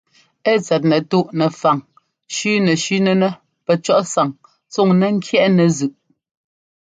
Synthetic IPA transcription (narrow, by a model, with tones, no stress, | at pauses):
ɛ˦˨t͡sɛ˨t̬̚nɛ˨tu˦ʔnɛ˨fa˨ŋ | ʃʉ˦nɛ˨ʃʉ˦nɛ˦nɛ˦ | pɛ˨t͡ʃɔ˦ʔsa˨ŋ | t͡so˦˨ŋnɛ˨ŋ̩˦kʰjɛ˦ʔnɛ˨zʉ˨ʔ